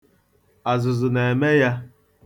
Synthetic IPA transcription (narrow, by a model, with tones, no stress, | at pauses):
a˨zʊ˨zʊ˨ne˨e˨me˦ja˦